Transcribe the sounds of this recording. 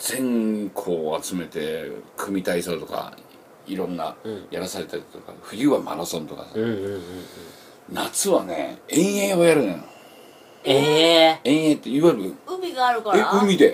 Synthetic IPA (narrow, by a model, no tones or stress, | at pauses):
d͡z̥ẽ̞ŋkʰo̞ːat͡sɨme̞t̪e̞kʰɯ̟mʲit̪aisoːt̪o̞ka̰ | iɾõ̞nːa̰jaɾasaɾe̞t̪akit̪oka̰ɸɯ̟jɯːβamaɾosõnt̪o̞̰ka̰sa | nat͡sɨβane̞̰ẽɰ̃jẽo̞jaɾɯ̃nao | eẽ̞ɰ̃ẽt̪ːeiβaiɾɯ̟ɯmʲiɡaːɾɯ̟kaeɯ̟mʲid̪e̞